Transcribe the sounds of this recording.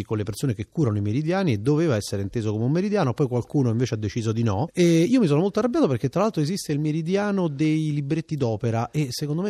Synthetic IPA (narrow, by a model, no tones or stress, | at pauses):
ikonlepersoːnekekːuːɾanoimeɾid̪jaːnied̪ːoveːvaɛsːeɾeint̪eːzokomeummeɾid̪jaːnopɔjkwalkuːnoiɱveːt͡ʃead̪ːet͡ʃiːzod̪inɔeiːomis̬oːnomolt̪oarːabːjaːt̪opeɾrk̟et̪ːɾalalt̪ɾoezist̪eilmeɾid̪jaːnod̪ejlibɾet̪ːid̪ɔːpeɾaʔesːekond̪ome